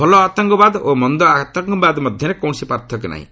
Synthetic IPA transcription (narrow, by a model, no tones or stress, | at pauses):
bʱɔlɔat̪ɔŋkɔbad̪omɔnd̪ɔat̪ɔŋkɔbad̪mɔd̪ʱjɔnekɔwnsipaɾt̪ʰɔkna̰ɦḭ̃